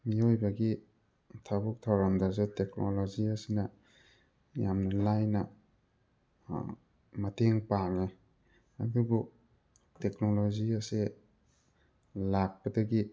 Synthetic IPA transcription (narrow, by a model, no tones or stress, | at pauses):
miojbaɡi | tʰabuk̚tʰawɾamdazateknoloziasinɐ | jamnɐlajnɐ | mɐtʰeŋpaŋe | a̰dubu | tek̚noloziase | lak̚pɐdɐɡi